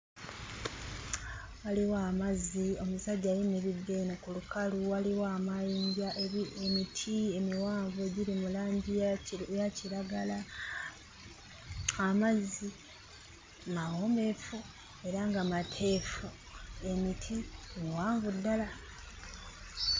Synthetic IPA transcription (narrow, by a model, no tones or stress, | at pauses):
waliwaːmazio̞musaɟːajineβidːenokulukaluwaliwaːmajiːɲɟaʔeemitʰie̞miwaːɱvueɟiɾimulaːɲɟijajaciɾaɡala | amazi | maome̞fu | e̞ɾaŋɡamatʰe̞ːfu | e̞mitʰimuwaːɱvudːala